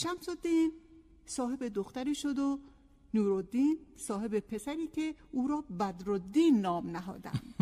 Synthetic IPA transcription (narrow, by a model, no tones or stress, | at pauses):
ʃæmsod̪iːn | sɒːɦe̞bed̪oxt̪æɾiːʃod̪o | nuːɾod̪iːnsɒːhe̞be̞pʰe̞sæɾiːcʰe̞ʔuːɾɒːbæd̪ɾod̪iːnːɒːmnæɦɒ̰ːd̪æ̰n